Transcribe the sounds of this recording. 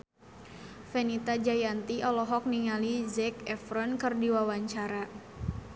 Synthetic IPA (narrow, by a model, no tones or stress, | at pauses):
fɛnit̪ad͡ʒajant̪iɔlɔɦɔk̚niŋalizɛkɛfɾɔnkɨrdiwawaɲt͡ʃaɾa